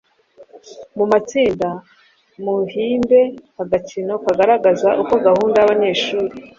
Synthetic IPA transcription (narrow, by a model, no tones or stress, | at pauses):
mumat͡siːnda | muhiːmbe̞haɡacino̞kaɡaɾaɡazaʔuko̞ɡahuːndajaβaɲe̞ːʃuːɾi